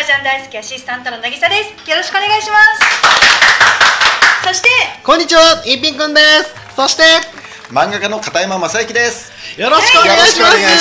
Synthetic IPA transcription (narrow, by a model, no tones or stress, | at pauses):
t͡ɕãnd̪aisɨ̥kʲiaɕisɨ̥t̪ãnt̪o̞nonaɡʲisad̪e̞sɨ̥jo̞ɾo̞ɕi̥kɯoneɡaiɕimas | so̞ɕi̥t̪e̞kõ̞ɲ̟ːit͡ɕiβaĩmp̬ʲĩŋkɯ̃nd̪e̞sɨ̥ːo̞ɕi̥t̪e̞ | mãŋɡakano̞kat̪aimamasaɯkʲid̪e̞sɨ̥ | jo̞ɾo̞ɕi̥kɯoneɡaiɕimasɨ